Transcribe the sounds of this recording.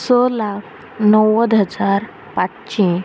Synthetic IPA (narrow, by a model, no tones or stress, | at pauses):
sɔlakʰ | nəwəd̪ʱɦəd͡zaɾ | paʈt͡ɕĩ